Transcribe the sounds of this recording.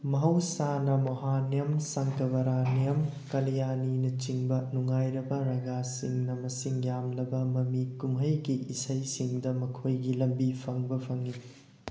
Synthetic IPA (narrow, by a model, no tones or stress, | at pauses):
mɐɦɐwsanɐmoɦanijɐmsɐŋkɐβɐɾanijɐm | kɐlijaninɐt͡ʃiŋbɐnuŋajɾɐbɐɾɐɡasiŋnɐmɐsiŋjamlɐbɐmɐmikumɦɐjɡiʔisɐjsiŋdɐmɐkʰojɡilɐmbipʰɐŋbɐpʰɐŋi